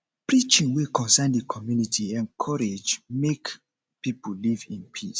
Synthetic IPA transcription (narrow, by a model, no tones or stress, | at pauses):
pɹit͡ʃĩŋwekɔ̃nsɛndəkʰɔmjunitʰiɛ̃nkʰɔɹed͡ʒmek | pipolivĩnpʰis